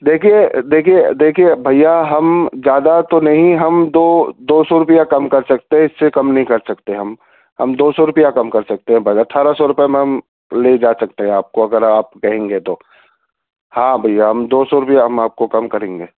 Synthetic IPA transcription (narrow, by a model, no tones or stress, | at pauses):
d̪eːkʰijed̪eːkʰied̪eːkʰiebʱɐijaɦɐmd͡ʒjaːd̪at̪onɐɦĩɦɐmd̪oːd̪oːsɔɾʊpijakɐmkɐɾsɐk̚t̪eɦɛ̃ɪsːekɐmnɐɦĩkɐɾsɐkt̪eɦɐm | ɦɐmd̪oːsɔɾʊpijakɐmkɐɾsɐk̚t̪ẽɦɛ̃bʱɐɐʈʰːaːɾasɔɾʊpɛmẽɦɐm | led͡ʒaːsɐkt̪eɦɛ̃aːp̚koɐɡəɾaːp̚kɐɦẽːŋɡet̪oː | hãːbʱɐjːaɦɐmd̪oːsɔɾʊpijaɦɐmaːp̚kokɐmkɐɾẽːŋɡeː